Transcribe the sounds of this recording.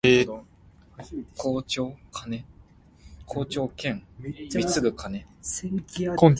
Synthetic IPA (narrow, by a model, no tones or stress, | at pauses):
kʰoːt͡ɕoːkʰane | kʰoːt͡ɕo̞ːkẽ̞ŋʲit͡sɨɡɯ̟kʰane | kõn